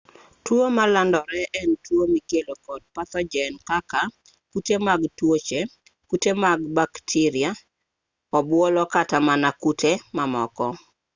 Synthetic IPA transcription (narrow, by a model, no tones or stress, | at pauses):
tuomalandɔɾɛʔɛntwomikelokɔd̚pat̪ɔd͡ʒɛnkaka | kutemaɡtwot͡ʃe | kutemaɡbaktʰiɾɪa | ɔbwolɔkatamanakutʰemamɔ̰kɔ